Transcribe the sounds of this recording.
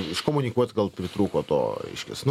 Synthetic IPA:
ɪʃkomʊnʲɪkuɔt̪ʲɡɐlˠpʲɾʲɪt̪ɾuːkoːt̪o̰ːɛ̰ɪʃʲkʲɛ̰snʊ

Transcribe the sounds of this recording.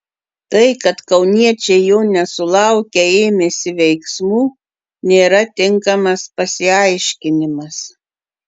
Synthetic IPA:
t̪ɐɪkɐt̪kɐʊnʲiɛt͡ʃʲɛɪjoːnʲɛsʊlˠɐˑʊkʲɛeːmʲesʲɪʋʲɛɪksmuː | nʲeːɾɐt̪ʲɪŋkɐmɐspɐsʲɪɐɪʃʲkʲɪnʲɪmɐs

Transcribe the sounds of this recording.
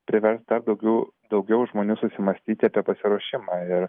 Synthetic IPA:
pʲɾʲɪʋʲɛɾst̪̚d̪ɐɾd̪ɐʊɡʲɛʊd̪ɐʊɡʲɛʊʒmoːnʲuːsʊsʲɪmɐsʲt̪ʲiːt̪ʲɪɐːpʲiɛpɐsʲɪɾuɔʃʲɪmɑːɪɾ

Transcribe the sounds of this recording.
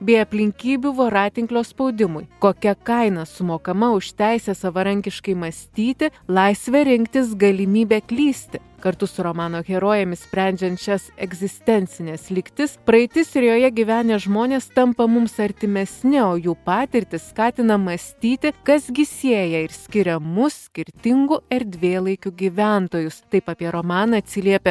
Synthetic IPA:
bʲeːɐpʲlʲɪŋʲkʲiːbʲuʋoːɾɑːt̪ʲɪŋklʲoːspɒʊd̪ʲɪmʊjkoːkʲɛkɐɪnɐsʊmoːkɐmɐʊʃt̪ʲæɪsʲɛsɐʋɐɾɐŋʲkʲɪʃkɐɪmɐsʲt̪ʲiːt̪ʲɪlˠɐɪsʲʋʲɛɾʲɪŋʲkt̪ʲɪs̬ɡɐlʲɪmʲiːbʲeːkʲlʲiːsʲt̪ʲɪ | kɐɾt̪ʊsʊɾomɑːnoːɣʲɛɾoːjɛmʲɪssʲpʲɾʲɛnʲd͡ʒʲɛnt̪ʃʲɛsɛɡzʲɪsʲt̪ʲɛnʲt̪sʲɪnʲɛːslʲɪkt̪ʲɪspɾɐɪt̪ʲɪsɪɾjoːjɛɡʲiʋʲæːnʲeːʒmoːnʲeːst̪ɐmpɐmʊmsɐɾʲt̪ʲɪmʲɛsʲnʲɪoːjuːpɑːt̪ʲɪɾʲt̪ʲɪsskɑːt̪ʲɪnɐmɐsʲt̪ʲiːt̪ʲɪkɐsɡʲɪsʲeːjɛɪɾsʲkʲɪɾʲɛmʊsːʲkʲɪɾʲt̪ʲɪŋɡʊɪɾd̪ʲʋʲeːlˠɐɪkʲʊɡʲiːʋʲænt̪oːjʊst̪ɐɪpɑːpʲiɛɾoːmɑːnɐɐt̪ʲsʲɪlʲiɛpʲɛ

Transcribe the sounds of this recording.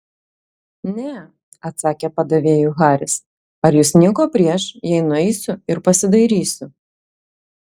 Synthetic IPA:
nʲɛ | ɐt̪sɑːkʲɛpɐd̪ɐʋʲeːjʊɣɑːɾʲɪs | ɐɾjʊsnʲɪkoːpʲɾʲiɛʃjɛɪnʊɛɪsʲʊɪɾpɐsʲɪd̪ɐɪɾʲiːsʲʊ

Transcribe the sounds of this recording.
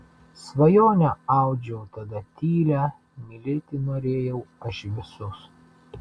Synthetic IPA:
sʋɐjoːnʲɛɑˑʊd͡ʒʲɛʊt̪ɐd̪ɐt̪ʲiːlʲæː | mʲɪlʲɪt̪ʲɪnoːɾʲeːjɛʊɐʃʋʲɪsʊs

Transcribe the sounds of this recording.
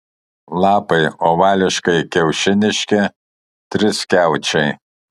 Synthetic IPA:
lˠɑːpɐɪoːʋɑːlʲɪʃkɐɪkʲɛʊʃʲɪnʲɪʃʲkʲɛ | t̪ʲɾʲɪskʲæˑʊt͡ʃʲɛɪ

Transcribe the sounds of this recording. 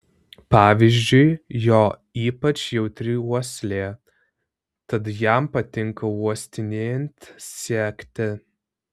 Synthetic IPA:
pɑːʋʲiːzʲd͡ʒʲʊɪjoː | iːpɐt͡ʃjɛʊt̪ʲɾʲɪuɔsʲlʲeː | t̪ɐt̪jæmpɐt̪ʲɪŋkɐuɔsʲt̪ʲɪnʲeːɛnʲt̪ʲsʲiɛkt̪ʲɪ

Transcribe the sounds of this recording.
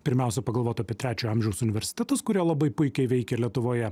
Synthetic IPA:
pʲɪɾʲmʲæˑʊsʲɛpɐɡɐlˠʋoːt̪ɐpʲiɛt̪ɾʲæːt͡ʃʲoːjɑmʲʒʲɛʊsʊnʲɪʋʲɛɾʲsʲɪ̥t̪ʲɛt̪ɐskʊɾʲiɛlˠɐbɐɪpʊɪkʲɛɪʋʲɛɪkʲɛlʲiɛt̪ʊʋoːjɛ

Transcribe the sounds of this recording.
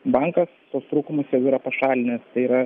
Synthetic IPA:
bɑŋkɐst̪oːst̪ɾuːkʊmʊsʲeːʋʲɪɾɐpɐʃɑːlʲɪnʲɪst̪ɐɪiɾɐ

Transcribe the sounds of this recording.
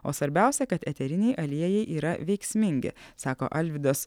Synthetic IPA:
o̰ːsʋɐɾʲbʲæˑʊsʲɛkɐt̪ɛt̪ʲɛɾʲɪnʲɛɪʔɐlʲiɛjɛɪʔiːɾɐʋʲɛɪksʲmʲɪŋʲɡʲɪ̰sɑːko̰ːʔɐlʲʋʲɪd̪os

